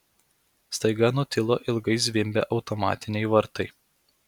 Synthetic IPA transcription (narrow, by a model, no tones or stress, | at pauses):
st̪ɐɪɡɐnʊt̪ʲɪlˠoːʔɪlˠɡɐɪzʲʋʲɪmʲbʲḛːʔɒʊt̪ɔmɑ̰ːt̪ʲɪnʲɛɪʋɐɾt̪ɐɪ